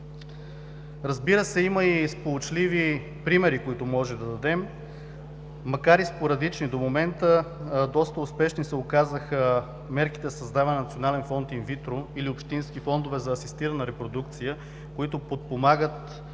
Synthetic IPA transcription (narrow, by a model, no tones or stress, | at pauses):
ɾɐzbiɾəsɛiməispolot͡ʃlivi | pɾimɛɾikoit̪ʊmɔʒɛd̪ɐd̪ɐd̪ɛm | ɐkaɾispoɾɐd̪lit͡ʃnid̪omomɛnt̪əd̪ɔst̪əʊspɛʃnisɛokazəxə | mɛɾki̥t̪ɛzsɐzd̪avɐnnɐt̪sionalɛnfɔnt̪invit̪ɾoiliopʃt̪insk̟ifɔnd̪ovɛzɐːsist̪iɾɐnəɾɛpɾod̪ukt̪sijə | koit̪ʊpot̪̚pomaɡət̪